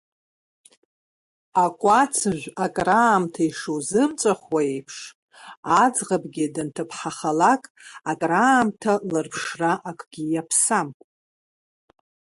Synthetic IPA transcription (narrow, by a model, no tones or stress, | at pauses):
akʷʼat͡sʰɨʒʷakʼraːmtʰaiʂozɨmt͡sʼaχwaejpʰʂ | ad͡zʁabɡʲidɨntʰɨpʰħaχalakʼakʼraːmtʰalɨrpʰʂraʔakʷʼɡ̥ʲijapʰsampʼ